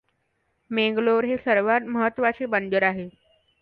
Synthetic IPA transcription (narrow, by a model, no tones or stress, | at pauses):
meŋɡloɾɦesəɾʋat̪məɦət̪ːʋat͡sebənd͡ʑəɾaɦe